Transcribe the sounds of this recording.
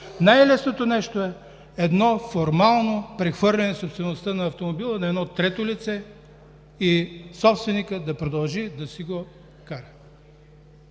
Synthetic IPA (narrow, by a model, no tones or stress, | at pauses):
najlɛsnot̪onɛʃt̪oɛ | ɛd̪nɔfoɾmalˠnopɾɛxvɤɾlʲɛnɛsopst̪vɛnost̪ənɐːft̪omobilˠənɐɛd̪nɔt̪ɾɛt̪olit̪sɛ | isɔpst̪vɛnikəd̪ɐpɾod̪ɐlˠʒid̪ɐsiɡo | kaɾɛ